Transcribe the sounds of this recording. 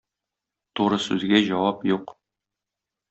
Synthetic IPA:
t̪uɾɤsʉzɡæʑɒwɑpjuq

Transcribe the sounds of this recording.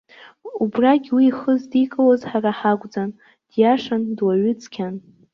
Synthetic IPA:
ubraɡʲwiːχəzdikʼawazħaraħaɡʷʼd͡zan | d̥jaʂandwaɥʏt͡sʰʼkʲʰan

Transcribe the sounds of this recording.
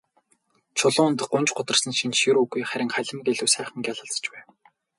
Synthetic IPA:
t͡ɕʰʊɮʊːnt̪̆̚ɢʊnt͡ɕɢʊt̪ə̆r̥sə̆nʃint͡ɕʃiɾuːɣujχæɾʲɪ̆ŋχæɮʲɪ̆mɡeɮɘ̆wsæːχə̆ŋɡʲaɮə̆ɬt͡sə̥̆t͡ɕpæːw

